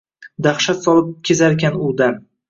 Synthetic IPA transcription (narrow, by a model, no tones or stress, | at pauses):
d̪aχʃat̪sɒlˠɪp̚kʲʰezaɾkʲanʊd̪aɾ